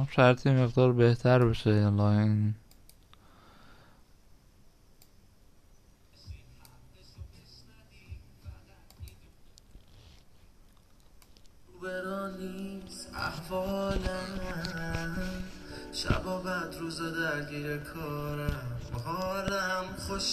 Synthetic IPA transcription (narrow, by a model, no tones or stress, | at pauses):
mʃæɾt̪ʰeme̞ɣd̪ɒːɾbe̞ht̪ʰæɾbeʃelɒːen | ubeɾɒːnist̪æ̰hvɒːlæ | ʃæ̰bɒːbæd̪ɾuːzɛd̪æɾɡiːɾekʰɒːɾæmhɒːɾæmxoʃ